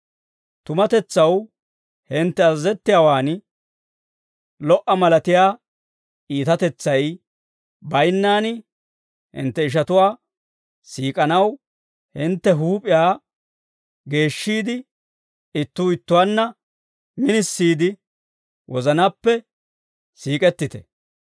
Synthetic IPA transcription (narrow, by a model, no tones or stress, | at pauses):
t̪ʊmɐt̪ɛt͡sːɐw | hɪnt̪ːɛɐːɛt̪ːɪjawaːn | lɔʔɐmɐlɐt̪ɪjaː | iːt̪ɐt̪ɛt͡sːɐj | bɐjnːaːnɪ | hɪ̰nt̪ːɛɪʃ̬ɐt̪ʊwaː | siːkʼɐnɐw | hɪnt̪ːɛɦuːpʼɪjaː | ɡe̞ːʃːiːd̪ɪ | ɪt̪ːuːɪt̪ːʊwanːɐ | mɪnɪsːiːd̪ɪ | wʔɔzɐnapːɛ | siːkʼɛt̪ːɪt̪ɛ̰